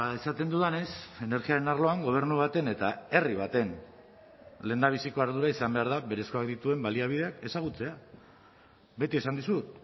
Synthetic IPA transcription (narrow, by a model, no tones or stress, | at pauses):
aesat̪e̞nd̪uðane̞se̞ne̞ɾɣiaɾe̞narlo̞aŋɡo̞β̞e̞ɾnuβ̞at̪e̞ne̞t̪ae̞riβ̞at̪e̞n | le̞nd̪aβ̞isiko̞aɾðuɾaisambe̞aɾð̞aβe̞ɾe̞sko̞akd̪it̪ue̞mbaliaβ̞ið̞eake̞saɣ̞ut͡se̞a | βe̞t̪ie̞sand̪isut̪